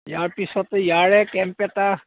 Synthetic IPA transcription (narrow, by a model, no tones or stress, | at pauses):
jaɹpisɔtɛjaɹɛkɛmpɛta